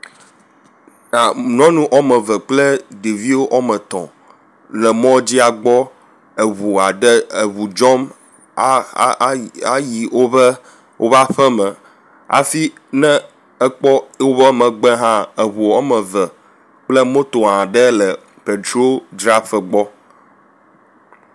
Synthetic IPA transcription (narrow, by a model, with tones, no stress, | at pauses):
a˨nɔ̃˦nũ˦ʔɔ˦mə̃˨və˨k͡plə˦ɖi˨vi˦wo˦ʔɔ˦mɛ̃˨t̪ɔ̰̃˨ | lɛ˨mɔ̃˦d͡ʑi˦a˨ɡ͡bɔ˦ | e˨βu˨a˨ɖɛ˦e˨βu˨d͡ʒɔ˦m˦ | a˦ji˨wo˦βɛ˦ | wʔo˦va˦ɸɛ˦mɛ̃˨ | a̰˨fi˦ | nɛ̃˦ | ɛ˦k͡pɔ˦wo˦βɛ˦mɛ̃˨ɡ͡bɛ˦ɦã˦e˨βu˨ɔ˦mɛ˨və˨ | k͡plɛ˦mõ˦t̪o˨ã˨ɖɛ˦lɛ˨ | pe˨t̪ɾo˦d͡ʒɾa˦fə˨ɡ͡bɔ˦